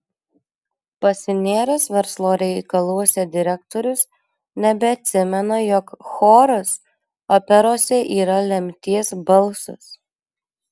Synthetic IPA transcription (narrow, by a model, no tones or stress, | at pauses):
pɐsʲɪnʲeːɾʲosʋʲɛɾslˠoːɾʲɛɪkɐlˠuɔsʲɛd̪ʲɪɾʲɛk̚t̪ɔːɾʲʊs | nʲɛbʲɛɐt̪ʲsʲɪmʲɛnɐjɔkxoːɾʊs | ɔpʲɛɾoːsʲɛʔiːɾɐlʲɛmʲt̪ʲiɛsbɐlˠˑsʊ̰s